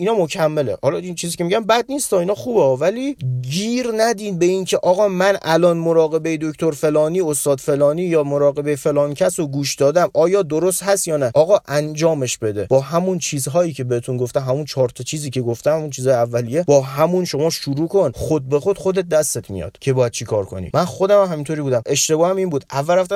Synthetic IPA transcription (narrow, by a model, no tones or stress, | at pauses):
inɒːmo̞kʰæmːelḛhɒlɒint͡ʃʰiːziːcʰʲe̞miɟʲæmbæd̪nist̪ɒinɒːxuːbvæliːɡiːɾnæd̪iːd̪be̞incʰe̞ʔɒːɣɒːmænʔælɒnmoɾɒːɣe̞be̞jed̪o̞kʰt̪ʰo̞ɾfe̞lɒːniːost̪ɒːd̪̥fe̞lɒːniːjɒːmoɾɒːɣe̞be̞jefe̞lɒːnicʰæsoɡuːʃd̪ɒːd̪æmʔɒːjɒːd̪o̞ɾo̞st̪hæst̪jɒːnæʔɒːɣɒːʔænd͡ʒɒːme̞ʃbe̞d̪e̞bɒːɦæmunt͡ʃʰiːzɦɒːjiːcʰe̞behet̪ʰunɡoft̪æmɦæmunt͡ʃʰɒːɾt̪ʰɒt͡ʃʰiːziːcʰe̞ɡo̞ft̪æmhæmunt͡ʃʰiːzɒːjeævːælijebɒːɦæmunʃo̞mɒːʃuɾuːkʰo̞nχod̪̚be̞xo̞d̪xo̞d̪e̞t̪̚d̪æst̪et̪ʰmḭjɒ̰ːd̪̥cʰe̞bɒːjæd̪̚t͡ʃʰikʰɒːɾkʰo̞̰nḭmænxo̞d̪æmæmɦæmint̪ʰoɾibuːd̪æmʔe̞ʃt̪e̞bɒːhæmiːnbuːd̪ʔævːælɾæft̪æ